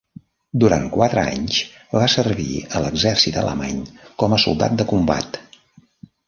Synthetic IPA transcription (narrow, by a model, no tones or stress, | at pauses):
d̪uɾaŋkwat̪ɾəa̰ɲs | βasərβḭələɡzɛrsit̪ə̰lʔə̰maɲkɔməsulˠd̪a̰t̪̚d̪əkumba̰t̪